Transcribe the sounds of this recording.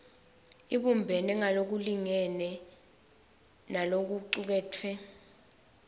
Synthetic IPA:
iɓumbʱɛnɛŋalok̬uliŋɛnɛ | nalok̬uǀuk̬ɛːtʰwɛ

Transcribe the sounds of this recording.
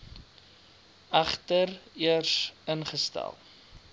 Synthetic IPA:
ɐχtəriərsənχəstæ̰lˠ

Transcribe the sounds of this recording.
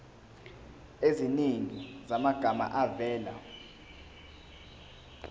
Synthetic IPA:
eziniŋizamaɡ̥ʱama̰ʔavɛːla

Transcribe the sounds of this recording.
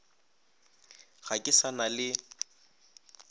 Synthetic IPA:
ɣakʼɪsanalɪ

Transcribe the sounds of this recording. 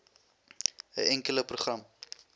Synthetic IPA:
ə̰ʔɛŋkələpruχrɐm

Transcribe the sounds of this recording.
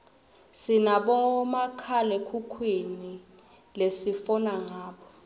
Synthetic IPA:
sinaɓɔmakʰalɛkʰukʰwini | lesifɔnaŋaːɓɔ

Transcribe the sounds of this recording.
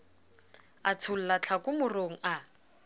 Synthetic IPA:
at͡sʰʊl̩lat͡ɬʰakʼʊmʊroŋ̩a

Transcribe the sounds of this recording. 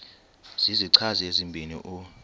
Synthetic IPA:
z̥iziǀʰaziezimbʱinḭʔu

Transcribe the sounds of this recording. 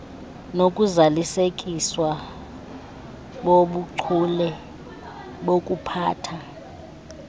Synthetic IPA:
nokʼuzalisekʼiswa | ɓoɓuǀʰulɛ | ɓok̬ʼupʰaːtʰa

